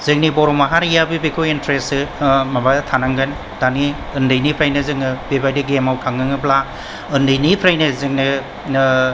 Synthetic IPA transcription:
zɯŋnibɔɾɔmaɦaɾjabɯbekʰointɾesɯmabatʰanaŋɡɯn | d̥ani | ɯndɯjnipʰɾajnɯzɯŋnɯbebajdiɡemawtʰaŋnɯŋɯpla | ɯndɯjnipʰɾajnɯzɯŋnɯ

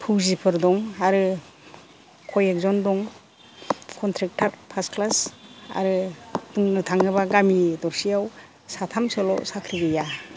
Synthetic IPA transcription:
pʰuwzipʰɯɾdɔŋaɾɯ | kʰɔjek̚zɔndɔŋ | kʰɔntʰɾɛk̚tʰatpʰasklasa̰ɾɯduŋnɯtʰaŋɯbaɡamidɔɾsijaw | satʰamsɔlɔ̰ʔsakʰɾiɡɯja

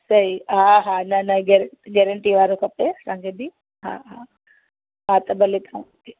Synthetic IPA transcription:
sɐɦiɦaːɦaːnɐnɐɡɛɾɡɛːɾəɳʈiʋaːɾokʰɐpeɐsãːŋkʰebɪ | ɦa̰ɦa | ɦat̪ɐbɐlet̪ʰaʋ̃ke

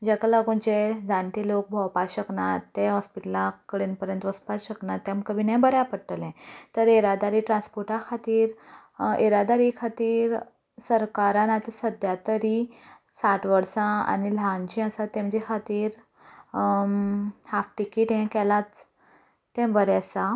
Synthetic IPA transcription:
d͡ʑekalaɡũnd͡ʑed͡zãɳʈilok̚bʱɔwpaɕəknatːeɦɔspiʈəlakəɽinpəɾjənt̪ʋəspaɕəknat̪ːɛ̃mkəbʱinɛ̃bəɾapəɽʈəlɛ̃t̪əɾeɾad̪aɾiːʈɾãnspoɾʈãkʰat̪iːɾ | eɾad̪aɾikʰat̪iːɾ | səɾkaɾãnat̪isəd̪jat̪əɾi | saʈʰʋəɾsãa̰nilãɲt͡ɕĩasat̪ːẽm̤əd͡ʑikʰat̪iːɾ | hafʈikiʈɦɛ̃kɛlat͡s | t̪ːɛ̃bəɾasã

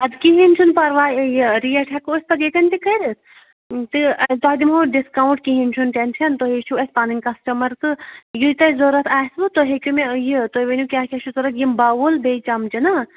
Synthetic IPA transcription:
ɐd̪kiɦinʲt͡ʃʰunpɐɾʋaːejɾijɐʈʰɐkuːsʲpɐd̪jet̪ʲɐnt̪ikɐɾɨt̪ʰ | t̪ɨɐt̪oːd̪imoɖiskaːwɳʈ̚kiɦinʲt͡ʃʰunʈenʃɐnt̪oɦeʃʰuɐsʲpaːninʲkɐsʈɐmɐɾt̪ɨjɨt̪ɐzoɾɐt̪ʰaːsʋɨt̪oɦekʲumejit̪ojʋenʲukʲaːkʲɐʃʰuzoɾɐt̪jimbaʋulbet͡ʃɐmt͡ʃiɐna

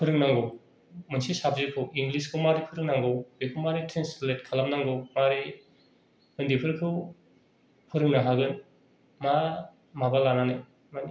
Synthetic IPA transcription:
pʰɯɾɯŋnaŋɡɯw | mɯnsisabzikʰɯwiŋɡliskʰɯwmaɾipʰɯɾɯŋnaŋɡɯwbekʰɯwmaɾitʰensletkʰalam̚naŋɡɯwmaɾi | mɯndipʰɯɾɯkʰɯw | pʰɯɾɯŋnaɦaɡɯn | ma | mabalananɯj | mani

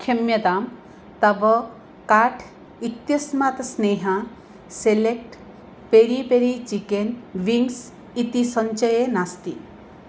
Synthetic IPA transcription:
kʰɐmjɐt̪aːm | t̪ɐbɐ | kaːʈʰ | it̪jɐsmat̪sneːɦã | selek̚ʈ | peɾipeɾit͡ʃikenʋiŋɡs | it̪isɐɲt͡ʃɐjenast̪ḭ

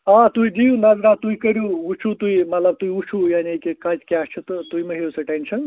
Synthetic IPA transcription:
ãt̪uid͡ʒijunɐzɾat̪uikəɾjuut͡ʃʰut̪uimɐt̪lɐb̚t̪uiut͡ʃʰujaːniekekɐt͡ʃkʲast͡ʃʰut̪ɐt̪uimɐɦeusɐʈensʰɐn

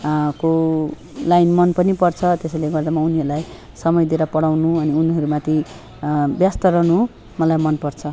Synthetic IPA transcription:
ko | lajnmʌnpʌnipʌrt͡sʰʌt̪eseleɡʌrd̪amauniɦʌɾulaj | sʌmʌjd̪eɾapʌɽawnuʌniuniɦʌɾumat̪ʰi | bjast̪ʌɾʌnu | mʌlajmʌnpʌrt͡sʰʌ

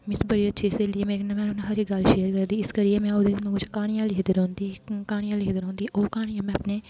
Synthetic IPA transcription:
mɪsbɐɽiɐt̪ʃʰeseliemeːnamɛ̃ːnʊnɦɐɾikɡaːlʃeːəɾkɐɾd̪iːɪskɐɾijemɛ̃ʊd̪eːnm̃ːkʊt͡ʃʰkaːɽ̃ijãːleɦd̪əɾɦõːnd̪iːkaːɽijãlɪɦd̪əɾõːnd̪iʔoːkaːɽ̃ijãmɛ̃ɐpneː

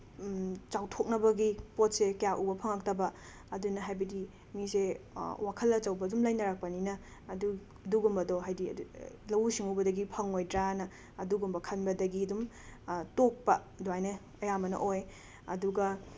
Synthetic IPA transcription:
t͡ʃawtʰok̚nɐbɐɡipot̚sekɐjakʔubɐpʰɐŋɐk̚tɐbɐ | ɐdunɐɦajbɐdi | misewakʰɐlɐt͡ʃɐwbɐdumlajnɐɾak̚pɐninɐː | du | ɐduɡumbɐdoɦajdḭ | lɐwusiŋuwbɐdɐɡipʰɐŋojdɾanɐː | duɡumbɐkʰɐnbɐdɐɡiɐdum | tok̚pɐ | duwajnɐ | ɐjamɐnɐ̰ʔoj | ɐ̰duɡɐ

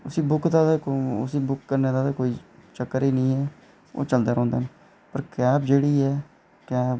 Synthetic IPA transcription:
ʊsiːbʊkd̪aːt̪ːʊ̰siːbʊkːəɾneːd̪aːt̪akoːiːt͡ʃəkːəɾiːnĩːɛː | o̰ːt͡ʃəld̪aːɾɔ̃ːnd̪aːn | pəɾkɛːbd͡ʒeːɽiːɛː | kɛː

